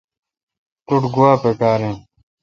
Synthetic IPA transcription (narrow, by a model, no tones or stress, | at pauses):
t̪uʈɡuwaːpekaːɾẽː